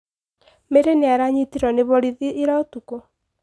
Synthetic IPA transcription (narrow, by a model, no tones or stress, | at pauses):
meɾeneaɾaɲitiɾɔneβɔɾiðiʔːɾaotuko